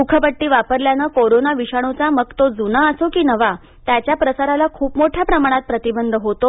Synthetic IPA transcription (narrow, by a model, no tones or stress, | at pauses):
ukʰəpəʈːiːʋapəɾljanəkoɾonaʋiɕaɽ̃ut͡saməɡ̚t̪od͡zunaəsokiːnəʋa | t̪jat͡ɕjapɾəsaɾalakʰuːpmoʈʰjapɾəmaɽ̃at̪̚pɾət̪ibənd̪ʱəɦot̪o